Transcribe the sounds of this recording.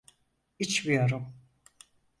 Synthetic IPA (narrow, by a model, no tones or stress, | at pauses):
it͡ʃvijoɾum